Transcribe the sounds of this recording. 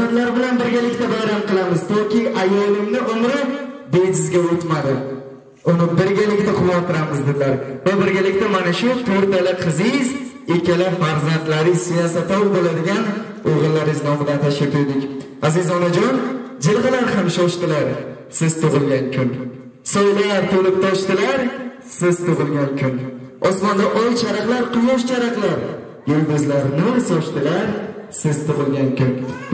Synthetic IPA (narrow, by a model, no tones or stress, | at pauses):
ɪd̪laɾbɪlanbɪɾɡʲalɪkʲt̪abajɾamqɨlˠamɪzt̪ʰɒkʲʰɪʔajɒlˠɪmnɪʊmɾɪ | bed͡ʒɪzɡʲaot̪mad̪ɪ | ʊnɪbɪɾɡʲalɪkʲt̪aqʰʊwːat̪ʰːɪɾamɪzd̪ɪd̪laɾvabɪɾɡʲalɪkʲt̪amanaʃʊt̪ʰoɾt̪alɪqʰɨzɪjz | ekʲalafaɾzant̪laɾɪsɪjɒsat̪ɒwbolad̪ɪɡʲan | oʁɨlˠːaɾɪznɒmɪd̪ant̪ʰaʃkʲat̪ʰʊɾd̪ɪkʲ | azɪzɒnad͡ʒɒnd͡ʒɪlˠʁɨlaɾhamʃɒʃt̪ɪlaɾ | sɪz̥t̪ʊʁɨlˠɡʲaŋkʲʰʊn | sɒjlaɾt̪ʰolɪp̚t̪ʰɒʃt̪ɪlaɾ | sɪzt̪ʊʁɨlˠɡʲankʲʰʊnɒsmɒnd̪aʔɒjt͡ʃʰaɾaqlaɾqʰʊjɒʃt͡ʃʰaɾaqlˠaɾ | jʊlɡ̪ʊzlaɾnɪsɒʃt̪ɪlaɾsɪz̥t̪ʊʁɨlɡʲankʲʊn